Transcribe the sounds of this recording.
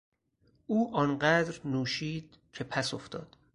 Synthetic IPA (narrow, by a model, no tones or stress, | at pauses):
ʔuːʔɒːnɢæd̪ɾnuːʃiːd̪̥̚ | cʰe̞pʰæsoft̪ɒ̰ːd̪̥